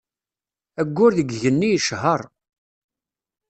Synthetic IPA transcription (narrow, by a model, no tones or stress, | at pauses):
æɡʷːʊɾðəɡʝənːijəʃɦəɾˤ